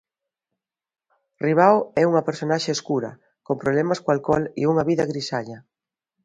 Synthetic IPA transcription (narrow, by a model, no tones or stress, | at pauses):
riβ̞awɛuŋɐpeɾsonaʃeːskuɾɐ̰ | kompɾoβlɛmaskoalkɔlḭuŋɐβiðɐɣɾisaʎɐ